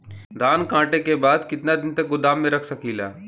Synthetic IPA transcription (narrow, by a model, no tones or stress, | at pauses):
d̪ʱaːnkãːʈekebaːd̪kɪt̪nad̪ɪnt̪ɐk̚ɡʊd̪aːmːẽɾɐkʰsɐkiːlaː